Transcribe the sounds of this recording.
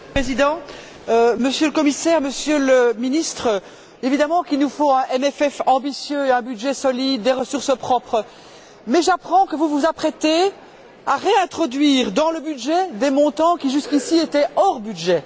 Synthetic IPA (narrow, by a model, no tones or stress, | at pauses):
pχezid̪ɑ̃ | øməsjøləkɔmisɛːʁməsjøləminist̪χə | evid̪amɑ̃kilnufõɛ̃ʔɛmɛfɛfɑ̃bisjøɛ̃byd̪ʒɛsɔlid̪ːeʁəsuʁsəpχɔpχə | mɛʒapχɑ̃kəvuvuzapχɛt̪e | aʁeɛ̃t̪χɔd̪ɥiːʁd̪ɑ̃ləbyd̪ʒɛd̪emɔ̃t̪ɑ̃kʲiʒyskʲisiet̪ɛɔʁbyd̪ʒɛ